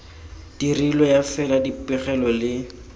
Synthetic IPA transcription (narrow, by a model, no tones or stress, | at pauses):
d̥irilɔjafɛladipɪχɛlɔlɪ